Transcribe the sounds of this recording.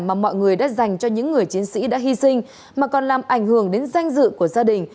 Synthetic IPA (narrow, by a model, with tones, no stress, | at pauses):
maː˨˩mɔ̰˧˨jŋɨ˨˩əjɗa̰ː˧˥za˨˩jŋ̟t͡ɕɔ˧ɲɨ̰˧˥ŋːɨ˨˩əjt͡ɕi˨˦ənsḭ˧˥ɗa̰ː˧˥ɦi˧sï˧ŋ̟ | maː˨˩kɔ˨˩nlaː˨˩mʔa˧˩jŋ̟hɨ˧˩əŋɗe˨˦nza˧jŋ̟zɨ̰˧˨ku˧˩əzaː˧ɗï˨˩ŋ̟